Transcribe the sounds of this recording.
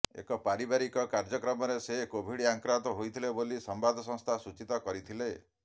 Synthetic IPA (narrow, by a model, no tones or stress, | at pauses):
ḛkɔpaɾibaɾikɔkaɾd͡ʒɔkɾɔmɔɾesekobʱiɽiaŋkɾat̪ɔɦojt̪ʰilebolisɔmbad̪ʱɔsɔ̃ŋ̃st̪ʰasut͡ʃit̪ɔkɔɾit̪ʰile